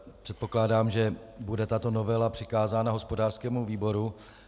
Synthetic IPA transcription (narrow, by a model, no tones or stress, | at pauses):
pr̥ɛt̪̚po̞klaːdaːmʒɛbudɛt̪at̪o̞no̞vɛlapr̝̥ɪkaːzaːnaɦo̞spodaːr̥skɛːmuviːbo̞ɾu